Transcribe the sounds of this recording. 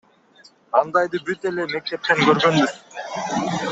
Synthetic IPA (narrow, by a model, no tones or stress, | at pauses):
ɑnd̪ɑjd̪ɯbyt̪e̞le̞me̞k̚t̪e̞p̚t̪e̞ŋɡøɾɡø̞nb̪y